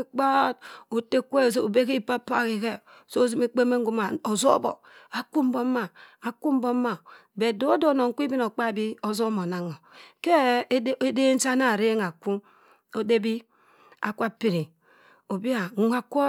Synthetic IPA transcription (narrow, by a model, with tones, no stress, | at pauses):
k͡pa˦t̚o˨te˦kʷe˦˨s̬o˦o˨be˦ki˦˨pa˦pa˦˨ki˨ke˦˨ | so˦zi˦me˦k͡pe˦me˦ŋ˦ɡu˦ma˨o˨zo̰˦bo̰˨ | a˨ku˦m˦bo˦ma˨a˨ku˦m̩˦bo˦ma˨be˨do˦do˦˨no˨ŋ̩˨kʷi˦bi˦no˨k͡pa˦˨bi˦o˦zo˦mo˨na˨ŋo˨ke˦e˦de˦n̩˦t͡ʃa˦na˨ɾe˦ŋa˨ku˦ | o˨de˦bi˦ | a̰˨kʷa˦pi˨ɾi˨ | o˨bi˦a˨ŋ˨˦a˨ko˦